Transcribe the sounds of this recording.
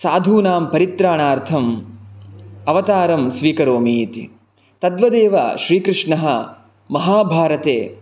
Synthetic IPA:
saːd̪ʱuːnaːmpɐɾit̪ɾaːɳaːɾt̪ʰɐm | ɐʋɐt̪aːɾɐmsʋiːkɐɾoːmiːt̪ḭ | t̪ɐd̪ʋɐd̪eːʋɐ̰ʃɾiːkɾɨʂɳɐɦɐ̆ | mɐɦaːbʱaːɾɐt̪eː

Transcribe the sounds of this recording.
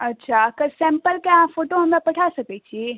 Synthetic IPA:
ɐtːt͡ʃʰakɐsẽmpəlkeɐãfoːʈoɦɐmapɐʈʰasɐket͡ʃʰie

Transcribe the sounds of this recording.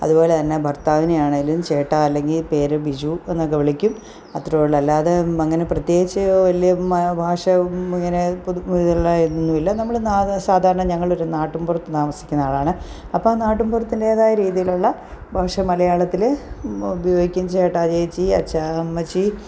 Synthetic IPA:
ɐ̰ðubo̞ːle̞t̪ɐnːe̞bʱɐrt̪aːʋinejaːɳɨlːimt͡ɕe̞ːʈːaːɐlːe̞ŋɡilpe̞ːɾɨbid͡ʑuenːɨkɐʋɐɭikʲːum | ɐt̪rɐjoɭːɐlːaːðeɐŋːɐne̞prɐt̪je̞ːɡit͡ɕːɐʋɐlijɐmɐbʱaːʂɐiŋːɐne̞puiðuɭːɐinːuʋilːɐnɐmːɐɭnsaːd̪ʱaːɾɐɳɐmɲɐŋːɐɭo̞ɾunaːʈːumburɐt̪ːɨt̪aːmɐsikʲːunːaːɭaːɳɨ | ɐpːoːnaːʈːumbʱurɐt̪ːindeːðaːjɐɾiːðijiluɭːɐ | bʱaːʂɐmɐlɐjaːɭɐt̪ːileubɐjo̞ːɡikʲːumt͡ɕeːʈːaːd͡ʑeːt͡ɕːiɐt͡ɕːamːɐt͡ɕːi

